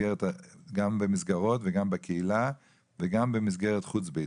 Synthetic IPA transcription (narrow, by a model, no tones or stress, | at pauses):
ɛʁɛtɡambɪmɪsɡaʁɔtvɛɡambɪkʰɛila | vɛɡambɪmɪs̬ɡɛʁɛtχut͡sbe